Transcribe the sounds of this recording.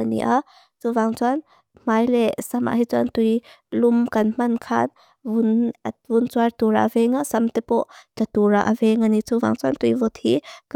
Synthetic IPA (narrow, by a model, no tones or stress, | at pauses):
anḭʔa | t͡suvaŋt͡suan | m̥ajlɛsama̰ʔɦit͡suant̪ujlumkɐnm̥ɐnkʰan | unvunt͡swart̪uɾa̰ʔvɛŋasɐmt̪ɛpɔʔt̪at̪uɾaʔavɛŋanit͡suva̰ŋt͡suant̪ujvɔt̪ʰik